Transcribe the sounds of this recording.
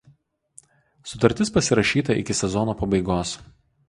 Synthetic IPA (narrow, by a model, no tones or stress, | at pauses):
sʊt̪ɐɾʲt̪ʲɪspɐsʲɪɾɐʃʲiːt̪ɐɪ̰kʲɪsʲɛzɔnoːpɐbɐɪɡoːs